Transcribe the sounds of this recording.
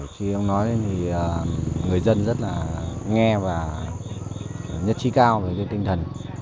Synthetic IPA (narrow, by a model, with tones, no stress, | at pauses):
xi˧ʔə˧wŋ͡mnɔ˨˦jt̪ʰi˨˩ʔəː˨˩ŋɨ˨˩əjzə˧nzə˦˥t̚laː˨˩ŋɛ˧vaː˨˩ | ɲə˦˥t̚t͡ɕi˨˦˥kaː˧wə˨˩zə˧nt̪ï˧ŋ̟t̪ʰə˨˩n